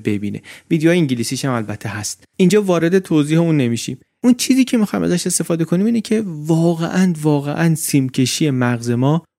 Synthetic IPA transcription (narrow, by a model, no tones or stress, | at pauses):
be̞biːnḛviːd̪ejɒːjeiŋɲɟiliːsiʃæmælbæt̪ʰːe̞ɦæst̪ʔind͡ʒɒːvɒːɾe̞d̪e̞t̪ʰoziːheuːnːe̞miːʃḭm | ʔunt͡ʃʰiːziːcʰe̞mixɒːjmʔæ̰zæʃe̞st̪e̞fɒːd̪e̞kʰo̞niːmiːnecʰe̞vɒːɣḛʔænvɒːɣḛʔænsimcʰe̞ʃiːje̞mæɣze̞mɒː